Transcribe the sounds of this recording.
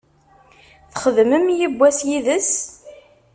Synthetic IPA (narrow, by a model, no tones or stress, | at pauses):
θχəðməmjibʷːæsjiðəs